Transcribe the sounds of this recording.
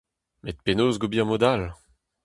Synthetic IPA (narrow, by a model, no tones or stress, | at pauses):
met̪̚penoːzɡobiãmod̪al